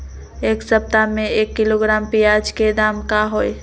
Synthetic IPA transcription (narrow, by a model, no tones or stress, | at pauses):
eksəp̚t̪ameekːiloɡɾampijad͡ʒked̪amkaɦoj